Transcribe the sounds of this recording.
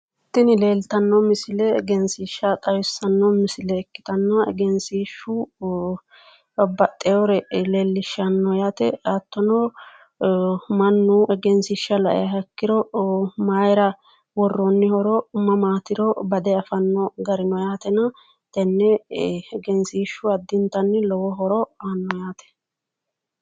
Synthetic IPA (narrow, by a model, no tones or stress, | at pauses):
ɛt̪ːɪnɪle̞ːlt̪ɐnːɔmɪsɪlɛɡɛnsiːʃːɐt̪ʼɐwɪsːɐnːɔmɪsɪlɛːkːɪ̥t̪ɐnːɐɛɡɛnsiːʃu | bːɐt̪ʼɛɔɾɛleːlːɪʃɐnːɔjaːt̪ɛɐt̪ːɔnɔ | mɐnːʊʔɛɡɛnsiʃɐlɐʔɛ̰jɐɦɐkːɪɾɔmajɾɐ | wɔrːɔnːɪhɔɾɔʊmːɐmaːt̪ɪɾɔbɐd̪ɛɐfɐnːɔɡɐɾɪnɔjaːt̪ɛnɐ | t̪ɛnːɛɡɛnsiːʃːʊɐd̪ːɪnt̪ːɐnːɪlɔwɔɦɔɾɔanːɔjaːt̪ɛ̥